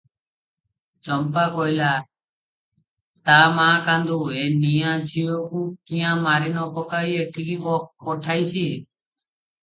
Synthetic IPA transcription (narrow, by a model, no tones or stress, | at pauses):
t͡ʃəmpaːkɔjlaː | t̪aːmãːkãːnd̪oːeːnijãːd͡ʒʰʱijokũːkĩãːmaːɾenɔːpɔkaːiːeʈʰikipɔpɔʈʰaːit͡ʃʰiː